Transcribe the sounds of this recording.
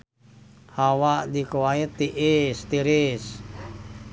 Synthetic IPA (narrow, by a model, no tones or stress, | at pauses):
hawaʔdikoait̪iʔist̪iɾis